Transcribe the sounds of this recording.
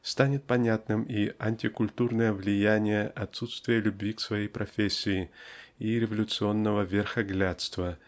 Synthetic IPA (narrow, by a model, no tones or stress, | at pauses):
st̪anʲɪt̪̚pɐnʲat̪nɨmiɐnʲtʲɪkʊlʲt̪urnəjəvlʲɪjænʲɪjəʔɐt̪sːut̪st̪vʲɪjəlʲʉbvʲiksvɐjejpɾɐfʲesʲːɪɪiɾʲɪvəlʲʊt̪sɨo̞nːəvəvʲɪrxɐɡlʲat̪st̪və